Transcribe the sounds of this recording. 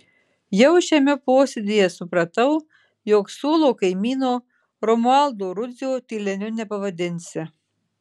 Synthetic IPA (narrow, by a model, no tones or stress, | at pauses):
jɛʊʃʲɛmʲɛpoːsʲed̪ʲijɛsʊpɾɐt̪ɐʊ | joːksuːlˠoːkɐɪmʲiːnoː | ɾɔmʊɑˑlˠd̪oːɾʊzʲjoːt̪ʲiːlʲɛnʲʊnʲɛpɐʋɐd̪ʲɪnʲsʲɪ